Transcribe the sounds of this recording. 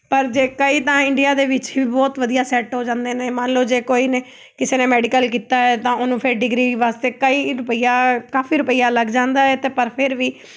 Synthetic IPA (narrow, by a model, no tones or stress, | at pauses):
pəɾd͡ʒeːkəiːt̪ãːɪɳɖɪjaːd̪eːʋɪt͡ʃɦiiːbɔːt̪ʋəd̪ijaːsɛːʈɦoːd͡ʒãːnd̪eːneːmənloːd͡ʒeːkoːiːneː | kɪseːneːmɛːɖikəlkiːt̪aːɛːt̪ãːonũːpʰɪɾɖɪɡɾiːʋaːst̪eːkəiːɾʊpəijaːkaːfʰiːɾʊpəijaːləɡd͡ʒãːnd̪aːɛːt̪eːpəɾpʰɪɾʋiː